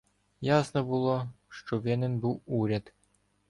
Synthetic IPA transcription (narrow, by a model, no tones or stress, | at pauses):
jasnɔbulˠoʃt͡ʃɔʋʲɛnɪnbuwuɾʲat̪